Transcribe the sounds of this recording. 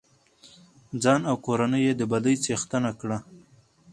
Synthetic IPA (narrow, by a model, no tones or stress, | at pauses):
d͡zɑnawkoɾanəjed̪əbad̪əjt͡sext̪ənakɽa